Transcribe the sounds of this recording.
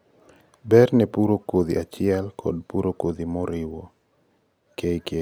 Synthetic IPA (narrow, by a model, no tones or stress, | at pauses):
bɛɾnɛpuɾokoðḭʔat͡ʃɪɛlkʰɔ̰dpuɾokod̪imɔɾɪwo | kejke